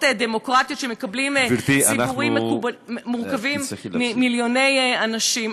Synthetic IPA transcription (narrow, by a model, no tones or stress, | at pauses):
tdemo̞kʁat̪jo̞t̪ʃemekablimt̪isipuʁimːekubmuʁkavimimiljo̞ne̞janaʃim